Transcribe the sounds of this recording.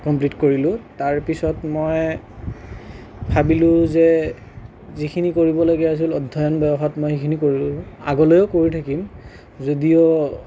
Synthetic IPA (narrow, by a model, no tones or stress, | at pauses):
kɔmplitkoɹilʊ̃taɹpisɔtmɔj | bʰʱabilʊ̃zɛ | zikʰinikoɹibɔlaɡias̬ilɔdʱːɔjɔnbɛbɔxɔtmɔjxikʰinikoɹilʊa̰ɡɔlɔjɔkoɹitʰakim | zodijɔ